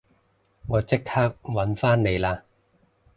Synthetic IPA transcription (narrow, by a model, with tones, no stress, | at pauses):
ŋɔː˨˧t͡sɪ˥khaː˥k̚wɐ˨˥nfaː˥nne˨˧jlaː˧